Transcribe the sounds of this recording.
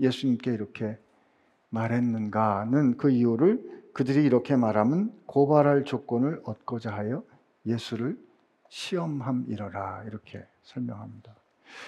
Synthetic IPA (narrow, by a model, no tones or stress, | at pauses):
je̞sʰuɲimk͈e̞iɾʌkʰe̞ | maɾɦe̞nːɯnɡanɯnkɯiuɾɯɭkɯdɯɾiːɾʌkʰe̞maɾɦamɯnkobaɾɦaɭt͡ɕok͈ʌnɯɭʌt̚k͈ʌd͡ʑaɦajʌ | je̞sʰuɾɯɭ | ɕʰiʌmɦamiɾʌɾaiɾʌkʰe̞ | sʰʌɭmjʌŋɦamɲid̥a